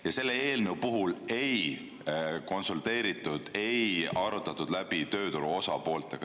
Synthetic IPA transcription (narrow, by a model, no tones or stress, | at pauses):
jɑse̞lːe̞eːlnewpuɦule̞j | ko̞nsult̪e̞ːɾit̪ːˑud̪̥e̞jɑɾut̪ːˑɑt̪ːud̪læb̥it̪ø̞ːt̪uɾuo̞sɑ̰po̞ːlt̪ˑe̞̰ɡ̥ɑ